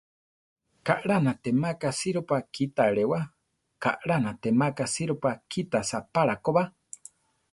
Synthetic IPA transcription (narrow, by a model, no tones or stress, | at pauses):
kaʔɺanat̪emakasiɾopakʰit̪aɺewa | ka̰ʔɺanat̪emakasiɾopakʰit̪asapaɾakoβa